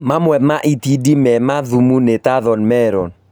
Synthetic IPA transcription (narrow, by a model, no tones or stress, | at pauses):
mamwɛmaʔitidimɛmaðumunetaðɔnmɛɾɔn